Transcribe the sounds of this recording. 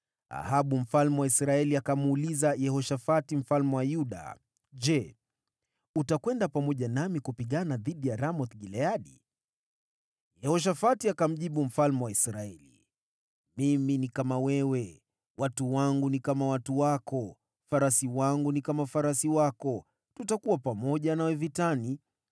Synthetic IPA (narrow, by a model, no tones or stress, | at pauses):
a̰haɓum̩falmɛwaisɾaɛliakamuulizajɛhɔʃafatim̩falmɛwajuɗa̰ | ʄɛ | utakwɛndapamɔʄanamikupiɠanaðiɗijaɾamɔt̪ɡilɛaɗḭ | jɛhɔʃ̬afatiakam̩ʄiɓum̩falmɛwaisɾaɛlḭ | miminikamawɛwɛ | watuwaŋɡunikamawatuwakɔ | faɾasiwaŋɡunikamaufaɾasiwakɔ | tutakuwapamɔʄanawɛvitani